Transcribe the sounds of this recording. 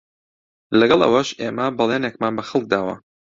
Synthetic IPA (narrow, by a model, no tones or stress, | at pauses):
lɐɡɑlˠʔɐ̰wɐʃʔeːmɐbɐlˠeːnek̚maːnbɐxɐlˠk̚d̪aːwɐ̰